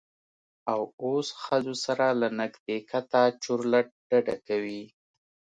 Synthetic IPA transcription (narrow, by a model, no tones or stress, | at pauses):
awosxəzosaɾalanaɡd̪ekat̪at͡ʃoɾlaʈ̚ɖ̥aɖa̰kawi